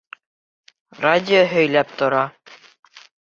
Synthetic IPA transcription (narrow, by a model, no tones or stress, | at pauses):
radʲɪoɦɵ̆jlæp̚t̪ŏɾɑ